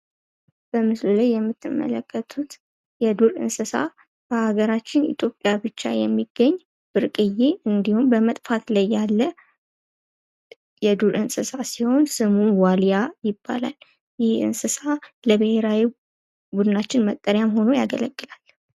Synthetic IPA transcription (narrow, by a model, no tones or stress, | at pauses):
b̥əmɨslulajːɛmːɨt̪ʰːɨmːə̰ləkʰːət̪ʰut̪ | jɛd̪uɾɨ̰nsɨsa̰ | b̥əʔaɡəɾat͡ʃːɪnḭt̪ʰʼjo̞pʼːjabɨt͡ʃːa̰jɛmːiɡːəɲː | b̥ɨɾkʼɨjeʔɨnd̪ihumbəmət̪ʼfat̪lajːalːə | jɛd̪uɾʔɨnsɨsasiho̞nsɨmunwaljajɪbːa̰la̰l | jɪhɨ̰nsɨsaləbɨhe̞ɾawi | bud̪ɨnat͡ʃːɪnmət̪ʼːəɾjamɦo̞no̞jaɡələɡʼːɨlal